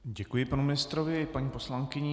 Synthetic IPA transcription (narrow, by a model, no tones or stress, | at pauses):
ɟɛkujɪpanumɪnɪst̪ɾovɪpaɲiːpo̞slaŋkɪɲɛ